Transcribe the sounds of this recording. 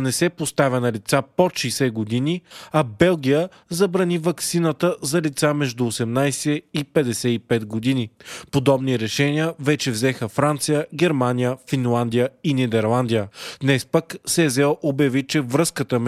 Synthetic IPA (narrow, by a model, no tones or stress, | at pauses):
nɛsɛpost̪avʲənɐlit̪sapoʃisɛɡod̪iniɐbɛlˠɡʲijə | zɐbɾɐnivɐksinət̪əzɐlit̪samɛʒd̪ʊːsɛmnajsɛipɛd̪ɛsɛipɛt̪ɡod̪inipod̪ɔbniɾɛʃɛniəvɛt͡ʃɛvzɛxəfɾant̪sijəɡɛɾmanijəfinlˠand̪ijəinid̪ɛɾlˠand̪ijəd̪nɛspəksɛzɛɔʔobjɐvit͡ʃɛvɾɤskət̪əm